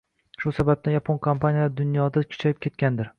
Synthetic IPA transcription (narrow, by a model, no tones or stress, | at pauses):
ʃʊsabab̚d̪ajapʰonkʰompʰanijad̪ʊnjɒd̪akʰʊ̥t͡ʃʰajɪp̚kʲʰe̞t̪̚kʲand̪ɪɾ